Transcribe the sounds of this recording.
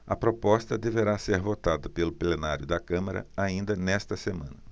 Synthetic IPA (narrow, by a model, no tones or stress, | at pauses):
ɐpɾopɔst̪ɐd̪eveɾaseɾvot̪ad̪ɐpelʊplenaɾjʊd̪ɐkɐ̃mɐɾɐ̰aĩnd̪ɐnɛst̪ɐsemɐ̃nɐ